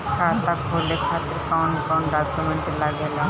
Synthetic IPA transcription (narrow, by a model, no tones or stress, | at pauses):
kʰaːt̪akɦoːlekʰaːt̪ɪɾkaɳkaːnɖaːkjumɛɳʈlaɡele